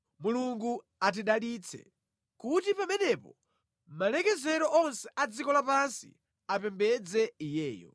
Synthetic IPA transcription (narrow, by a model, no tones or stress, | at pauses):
muluŋɡu | at̬iɗalit͡sʰɛ̰ | kutipamɛnɛpɔ | malɛkɛzɛɾɔʔɔnsɛʔad͡zikɔlapansḭ | apɛmbɛd͡zɛijɛːjɔ̰